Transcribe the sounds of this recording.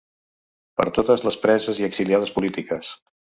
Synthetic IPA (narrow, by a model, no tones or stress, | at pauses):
pə̰ɾt̪ot̪əzləspɾɛzəziəksiliaðəspulit̪ikəs